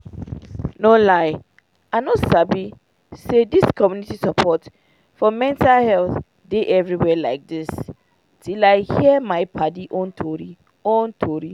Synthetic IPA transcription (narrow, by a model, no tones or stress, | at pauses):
nolaɪ | anosabi | sediskɔmjunitisapʰɔt | fɔmɛ̃ntalhɛlθ | deʔɛvɹiwɛlaɪk̚dis | tʰilaɪhiəmaɪpʰadiʔõntʰɔɹi | õntʰɔɹi